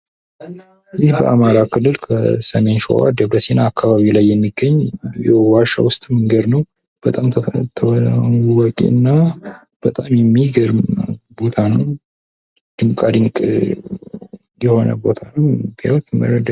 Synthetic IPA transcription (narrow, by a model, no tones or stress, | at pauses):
jɪhbə̰ʔamaɾakʰɨlːɨlkʰəsəme̞nʃo̰wa̰d̪əβəsenaːkʰːaβaβilajːɛmːiɡːəɲːjɛwaʃa̰wʊst̪ʼməŋɡəd̪nəw | b̥ət̪ʼamʰt̪ʰəuwɔkʼḭɨnːa | b̥ət̪ʼamjɛmːiɡəɾmbo̞t̪ʰanəw | d̪̥ɨŋkʼad̪ɨŋkʼ | jɛho̞nə̰bo̞t̪ʰanəwbiwt̪ʰɨmːə̰ɾəd̪